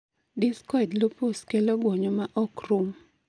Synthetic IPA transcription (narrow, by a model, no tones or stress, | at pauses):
dɪskɔɪdloposkeloɡwɔɲɔmaʔɔkrum